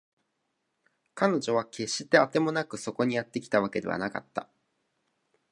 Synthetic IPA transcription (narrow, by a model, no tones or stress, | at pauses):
kano̞ʑo̞β̞ake̞ɕːi̥t̪e̞at̪e̞mo̞nakɯ̟so̞ko̞ɲ̟ijat̪ːe̞kʲi̥t̪aβake̞d̪e̞βa̰naka̰t̪ːa̰